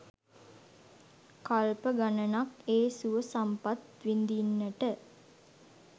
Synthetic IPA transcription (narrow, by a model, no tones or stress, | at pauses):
kalpəɡanənakeːsuʋəsampat̪ʋind̪inːəʈə